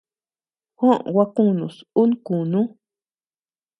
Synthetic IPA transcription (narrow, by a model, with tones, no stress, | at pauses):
xʷã˦ʔwa˧kũ˦˨nũ˨su˦n˦kũ˨nũ˦